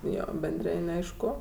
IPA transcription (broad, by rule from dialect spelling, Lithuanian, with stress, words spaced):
ˈjoː bʲɛnʲˈdʲrʲɪnʲ ˈɐɪʃkʊ